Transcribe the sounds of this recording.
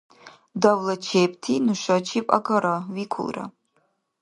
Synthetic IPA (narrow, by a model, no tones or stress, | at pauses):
davlɐt͡ʃʰepʰtʰinɨʃɐt͡ʃʰipʼa̰ɡɐɾawikʷʰʊ̰lˠra̰